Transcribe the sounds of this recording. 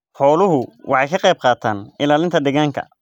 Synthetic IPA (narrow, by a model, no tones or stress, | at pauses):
ħɔːlʊɦʊwʔɑħɑjkʰɐqɛjb̚qɑːt̪ʰaːnɪlaːlɪnt̪ʰɐɖɪɣaːŋkʰɐ̰